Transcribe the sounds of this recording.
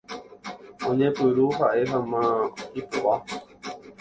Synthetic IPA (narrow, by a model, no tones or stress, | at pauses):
õɲẽpɨɾuɦaʔe̞ɦamãipoʔa